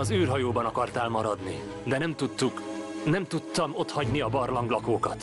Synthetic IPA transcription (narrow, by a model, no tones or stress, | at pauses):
ɒzyːrɦɒjoːbɒnɒkɒrt̪aːlmɒɾɒd̪ni | d̪ɛnɛmt̪ut̪ːuknɛmt̪ut̪ːɒmo̞t̪hɒɟniɒbɒrlɒŋɡlɒkoːkɒt̪